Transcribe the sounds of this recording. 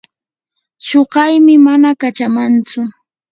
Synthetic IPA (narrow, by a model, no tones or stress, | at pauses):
ʃoɢɑjmɪmanakat͡ʃamant͡sʊ